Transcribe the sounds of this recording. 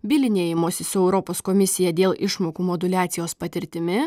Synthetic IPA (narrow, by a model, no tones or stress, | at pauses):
bʲɪlʲɪnʲeːjɪmoːsʲɪsʊɛʊɾɔpoːskomʲɪsʲɪjɛd̪ʲeːlˠɪʃmoːkuːmod̪ʊlʲæːt̪sʲɪjoːspɐt̪ʲɪɾʲt̪ʲɪmʲɪ